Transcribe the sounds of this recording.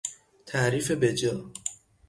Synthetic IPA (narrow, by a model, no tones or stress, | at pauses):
t̪ʰæʔɾiːfe̞bed͡ʒɒː